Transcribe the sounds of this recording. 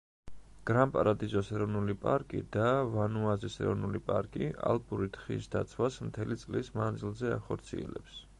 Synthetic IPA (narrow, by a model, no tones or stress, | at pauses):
ɡ̥ɾampʼaɾad̪izɔsɛɾɔvnulipʼaɾkʼḭd̪avanuazisɛ̰ɾɔvnulipʼaɾkʼia̰lˠbʼuɾit̪ʰχḭsd̪at̪sʰwasmt̪ʰɛlit̪sʼlismand̪zilˠzɛa̰χɔɾt̪sʰḭɛ̰lɛ̰ps